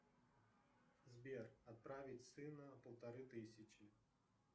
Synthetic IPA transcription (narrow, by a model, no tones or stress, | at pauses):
zbʲerɐt̪̚pɾavʲɪtʲsɨnəpəlˠt̪ɐɾɨt̪ɨsʲɪt͡ɕɪ